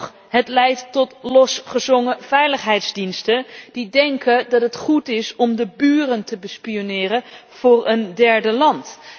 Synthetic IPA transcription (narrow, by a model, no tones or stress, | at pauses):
χ | ɦətlɛjtːɔtlɔsχəzɔŋəvɛjləχɦɛjtzdinstənd̥idɛŋkədɑtɦətχutɪsɔmdəbyːrəntəbəspionɪːrə | v̥ʊːɹəndɛɹdəlɑnt